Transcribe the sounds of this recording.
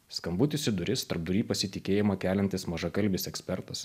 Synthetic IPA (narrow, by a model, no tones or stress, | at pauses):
skɐmbʊt̪ʲɪsʲɪd̪ʊɾʲɪst̪ɐɾp̚d̪ʊɾʲiːpɐsʲɪt̪ʲɪkʲeːjɪmɐkʲæːlʲɛnʲt̪ʲɪsmɐʒɐkɐlʲbʲɪsɛksʲpʲɛɾt̪ɐs